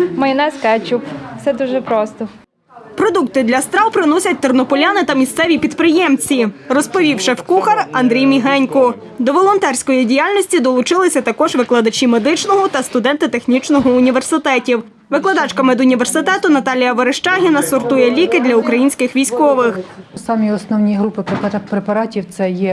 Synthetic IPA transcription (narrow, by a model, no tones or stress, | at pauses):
mɐjɪnɛsʲkɛt͡ʃukt̪sɛd̪uʒɛpɾɔst̪ɔ | pɾɔd̪uk̚t̪ɪd̪lʲɐst̪ɾɑwpɾɪnɔsʲɐt̚ʲt̪ɔrnɔpɔlʲanɪt̪ɐmʲist̪sɛʋʲipʲid̪pɾɪjɛmt͡sʲirɔspɔʋʲiwʃɛwkuxɐrɐnd̪ɾʲijmʲiɦɛnʲkɔ | d̪ɔʋɔlˠɔnt̪ɛrʲsʲkɔjidʲijalʲnʲɔsʲtʲid̪ɔlˠʊt͡ʃɪlˠɪsʲɐt̪ɐkɔʒʋɪklˠɐd̪ɐt͡ʃʲimed̪ɪt͡ʃnɔɦɔt̪ɐst̪ʊd̪ɛnt̪ɪt̪e̞xnʲit͡ʃnɔɦɔʊnʲiʋersɪt̪ɛtʲiw | ʋɪklˠɐd̪ɑt͡ʃkɐmɪd̪ʊnʲiʋersɪt̪ɛt̪ʊnɐt̪ɑlʲijɐʋɔɾeʃt͡ʃɑɦʲinɐsɔrt̪ujɛlʲikɪd̪ʲlʲɐukɾɐjinʲsʲkɪxʋʲijsʲkɔʋɪxsɑmʲiɔsnɔwnʲiɦɾupɪpppɾepɐɾɑtʲiwt̪sɛjɛ